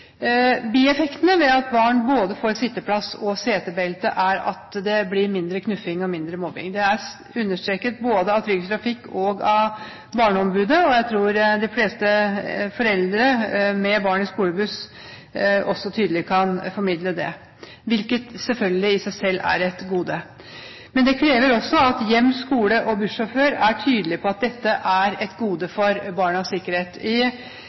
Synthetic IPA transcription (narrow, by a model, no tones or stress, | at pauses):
biːɛfɛkt̪nəʋɛɑt̪bɑːɳboːd̪əfoːɾsɪt̪ːəpʰlɑsɔseːt̪əbɛlt̪əʔæɾɑ̰t̪d̪ɛblɪɾmɪnd̪ɾəkʰnʉfɪŋɔmɪnd̪ɾəmɔbɪ̰ŋd̪ɛæɾ | ʉnːəʂt̪ɾeːkət̪̚boːd̪əɑt̪ʰɾʏɡst̪ɾɑfɪkːɔɡɑ | bɑːɳəɔmbʉːd̪əɔjæɪt̪ʰɾuːɾd̪ɪfleːst̪əfɔɾɛld̪ɾəmɛbɑːɳɪskuːləbʉs | ʔɔsːɔt̪ʰyːd̪əlɪkʰɑnfɔɾmɪd̪ləd̪ɛ | ʋɪlkət̪sɛlfœlɡəlɪɪsæɪsɛlːæ̰ɾɛt̪ɡuːd̪ə | mɛnd̪ɛkʰɾeːʋəɾɔsːɔɑt̪jɛmːskuːləʔɔbʉʂɔføːɾæʈʰyːd̪əlɪpʰɔɑt̪̚d̪ɛt̪ːəʔæɾɛt̪ɡuːd̪əfɔɾbɑːɳəɑsɪkːəɾheːt̪ɪ